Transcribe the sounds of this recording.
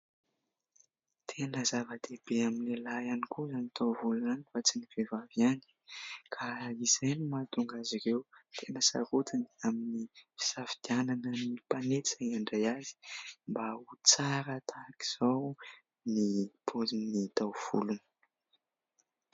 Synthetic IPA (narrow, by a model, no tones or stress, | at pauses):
t̪ʰenəzavəd̪̥ebeaminlelajanikuzanit̪ʰawvulunanifat͡siniv̥evavjani̥kʰaiz̥ajnimat̪uŋɡaziɾewt̪ʰenəsa̰ɾut̪inaminifi̥safid̪̥iananənipanet͡saaɳɖ͡ʐajazi̥mbaut͡saɾət̪ʰaki̥z̥aw | nipʰozinit̪awv̥ṵlunə̥